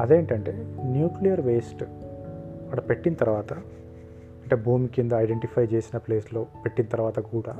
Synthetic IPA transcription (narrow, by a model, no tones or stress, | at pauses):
ɐd̪eːɳʈɐɳʈe̞̰ːnjuːklijɐɾʋe̞ːsʈ | ɐɽɐpe̞ʈːinɐt̪ɐɾʋaːt̪ɐ | ɐɳʈeːbʱuːmikind̪ɐːjɖeɳʈipʰɐjt͡ʃeːsinɐple̞ːslo̞ːpe̞ʈːinɐt̪ɐɾʋaːt̪ɐkuːɽaː